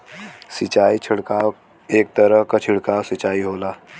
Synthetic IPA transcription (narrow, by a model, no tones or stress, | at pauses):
sɪt͡ʃaːit͡ʃʰɪɽkaːw | eːk̚t̪əɾəɦkat͡ʃʰɪɽkaːwsɪt͡ʃaːiɦoːlaː